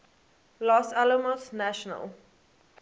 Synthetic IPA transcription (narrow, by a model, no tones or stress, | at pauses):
lɔsaləmɔsnæʃɔnə̰lˠ